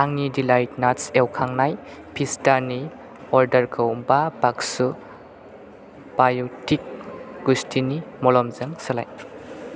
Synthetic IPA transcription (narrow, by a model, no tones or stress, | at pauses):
aŋnidilajt̚natsewkʰaŋnaj | pʰistaɾni | ɔɾdɐɾkʰɯwbabaksu | b̥ajɔtik̚ɡustʰinimɔlɔmzɯŋsala̰j